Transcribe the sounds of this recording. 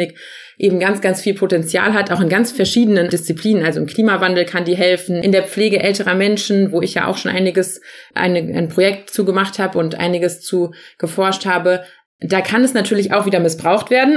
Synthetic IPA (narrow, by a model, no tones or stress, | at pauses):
ɪk | ʔeːbm̩ɡant͡sɡ̥ant͡sfiːlpʰotɛnt͡sja̰ːlɦataʊxɪnɡant͡sfɛɐʃiːdənənd̥ɪst͡sipliːnənʔalzoɪmkʰl̥iːmavandl̩kʰandiːɐɦɛlfn̩ʔɪndeːɐp͡fleːɡəʔɛltəʁɐmɛnʃn̩voːɪçja̰ːʔaʊxʃoːnʔa̰ɪnɪɡəsʔa̰ɪnəʔa̰ɪnpʁ̥ojɛk̚tt͡suːɡəmaχthaːbəʊntʔa̰ɪnɪɡəst͡suːɡ̥əfɔɐʃthaːbə | d̥aːkʰanɛsnatʰyːɐlɪça̰ʊxv̥iːdɐmɪsb̥ʁaʊxtv̥eːɐdn̩